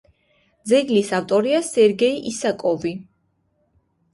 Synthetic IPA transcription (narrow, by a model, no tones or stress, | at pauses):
d̪zɛɡlisaft̪ʼɔɾiasɛɾɡɛiʔisakʼɔvi